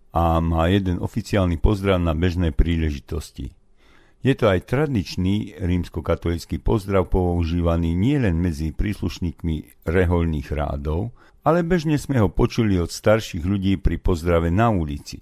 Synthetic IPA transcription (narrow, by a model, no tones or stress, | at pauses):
amaːjɛd̪ɛnɔfit͡siaːlnipɔzd̪ɾaʊnabɛʒnɛːpɾiːlɛʒit̪ɔscḭ | jɛt̪ɔajt̪ɾad̪it͡ʃniːɾiːmskɔkat̪ɔlit͡skiːpɔzd̪ɾaʊpɔuʒiːʋaniːɲɪɛlɛnmɛd͡zipɾiːsluʃɲiːkmi | ɾɛɦɔʎniːɣɾa̰ːd̪ɔʊ | alɛbɛʒɲɛzmɛɦɔpɔt͡ʃuliɔt̪st̪aɾʃiɣʎuɟiːpɾipɔzd̪ɾaʋɛnaulit͡sḭ